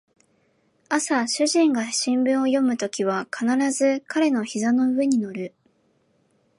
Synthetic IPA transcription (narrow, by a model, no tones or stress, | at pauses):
asaɕɨʑĩŋɡaɕĩmbɯ̟̃ɰ̃o̞jo̞mɯ̟t̪o̞kʲiβ̞akʰanaɾazɨkaɾe̞no̞çizano̞ɯ̟βe̞ɲ̟ino̞ɾɯ̟